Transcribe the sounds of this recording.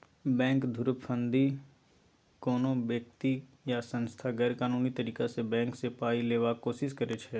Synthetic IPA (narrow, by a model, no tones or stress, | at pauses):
bɛ̃ːŋkd̪ʱʊɾppʰə̃nd̪i | koːnõbjəkt̪i | jasə̃nst̪ʰaɡɛːɾkaːnuːnit̪əɾiːkasebɛ̃ːŋksepaːileːʋakoːsɪskəɾet͡ʃʰɛː